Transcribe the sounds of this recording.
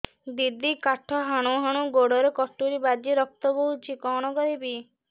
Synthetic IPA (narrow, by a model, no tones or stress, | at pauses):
d̪id̪ikaʈʰɔɦaɽ̃oɦaɽ̃uɡoɽɔɾekɔsʈuɾibad͡ʒ̪iɾɔk̚t̪ɔboɦut͡ʃʰikɔɽ̃ɔkɔɾibi